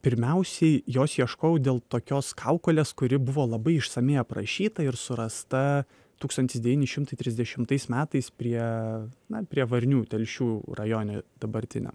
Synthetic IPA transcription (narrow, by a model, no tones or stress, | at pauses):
pʲɪɾʲmʲɛʊsʲɛɪjoːsjiɛʃkoːjɛʊd̪ʲeːlˠt̪oːkʲoːskʰɑʊkoːlʲeːskʊɾʲɪbʊʋoːlˠɐbɐɪɪʃsɐmʲeːɐpɾɐʃʲiːt̪ɐɪɾsʊɾɐst̪ɐ | t̪uːkst̪ɐnt̪ʲɪsd̪ʲɛʋʲiːnʲɪʃʲɪmt̪ɐɪt̪ʲɾʲɪzʲd̪ʲɛʃʲɪmt̪ɐɪsmʲæːt̪ɐɪspʲɾʲiɛnɐpʲɾʲiɛʋɐɾʲnʲuːt̪ʲɛlʲʃʲuːrɐjoːnʲoːd̪ɐbɐɾʲt̪ʲɪnʲɛ̰m